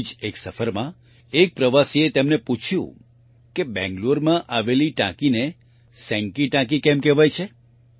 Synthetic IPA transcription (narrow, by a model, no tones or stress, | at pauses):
d͡ʒeksəfəɾmã | ek̚pɾəʋasiet̪emneput͡ʃʰjṵ̃ | kebɛ̰̃ŋɡluɾmãʔaʋeliʈã̰kine | sɛ̃ŋkiʈãk̬ikɛmkɛʋajt͡ʃʰe